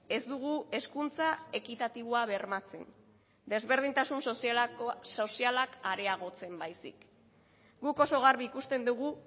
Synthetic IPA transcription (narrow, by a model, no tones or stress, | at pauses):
e̞zd̪uɣ̞ue̞skunt͡sae̞kit̪at̪iβoaβe̞ɾmat͡se̞̰n | d̪e̞zβe̞ɾð̞int̪asunsosso̞sialakaɾe̞aɣ̞o̞t͡se̞mbajsḭk | ɡuko̞so̞ɣ̞aɾβiːkust̪e̞nd̪uɣ̞u